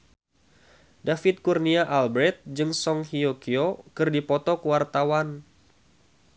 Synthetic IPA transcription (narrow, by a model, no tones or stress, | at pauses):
dafɪt̪̚kurniaʔalbɾɛt̪̚d͡ʒɨŋsɔŋhiokiokɨrdipɔt̪ɔkəwart̪awan